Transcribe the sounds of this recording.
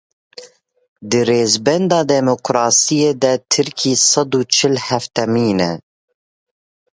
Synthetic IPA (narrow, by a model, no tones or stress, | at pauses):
d̪ɨreːzbɛnd̪ɑːd̪ɛmokɾɑːsijeːd̪ɛt̪ʰɨɾkʰiːsɑd̪uːt͡ʃʰɪlhæft̪ɛmiːnɛ̰